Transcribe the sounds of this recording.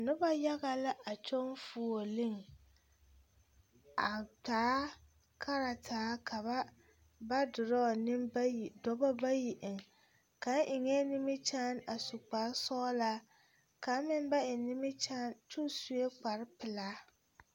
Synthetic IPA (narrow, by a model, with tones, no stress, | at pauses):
nʊ˦ba˦ja˦ɣa˨la˦ʔa˨t͡ʃo˦nfu˨o˨lɪ˦ŋ | a˨taː˨˦ | kʰa˦ɾa˨tʰaː˨˦kʰa˨ba˦ | ba˦dʊ˨ɾɔ˦˨nɪ˦mba˦ji˨dɔ˦ba˦ba˦ji˨ʔɪ˨ŋ | ka˨˦n˦ʔɪ˨ŋɛ˦nɪ˦mɪ˦t͡ʃaː˦na˨sʊ˨k͡pa˨ɾsɔː˦la˦ | ka˨˦mɪ˦m˦ba˦ɪ˨nɪ˦mɪ˦t͡ʃaː˦nt͡ʃu˦su˨˦e˦k͡pa˨ɾɪ˦pɪ˨laː˦